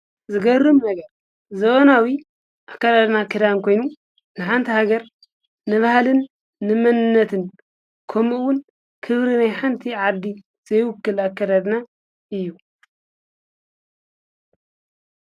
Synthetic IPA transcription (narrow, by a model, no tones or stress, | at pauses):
zɨɡɐɾumnɐɡɐɾ | zɐβɐnawi | ʔakːɐd̪ad̪nakʰɨd̪ankʰo̞jnu | nɨħant̪ʰihaɡɐɾ | nɨβahlɨnː | ɨmɐnɨnːɐt̪ʰɨn | kʰomɨwʊn | kʰɨβɾinajħant̪ʰiʕad̪ːi | z̥ɐjwʊkːɨlakːɐd̪ad̪na | ʔɨjːu